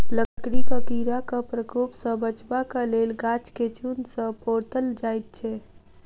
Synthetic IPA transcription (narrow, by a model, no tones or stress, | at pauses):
ləkɾikəkiɾakəpɾəkupsə̃bət͡ʃbakəlelɡat͡ʃket͡ʃunsə̃poɾt̪əld͡ʒajt̪̚t͡ʃʰɛ